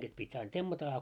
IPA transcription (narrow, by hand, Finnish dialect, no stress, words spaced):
ɡ̊es pitʲ ɑin temːɑtɑ ɑ